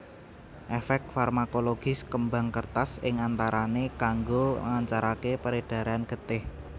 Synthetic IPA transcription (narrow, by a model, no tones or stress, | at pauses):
ʔefɛk̚t̪̚farmakoloɡ̥ɪ̤skəmbaŋkərt̪asɪŋant̪aɾanekaŋɡoə̰ŋaɲt͡ʃaɾakepəɾed̥a̤ɾanɡ̥ə̤t̪ɪh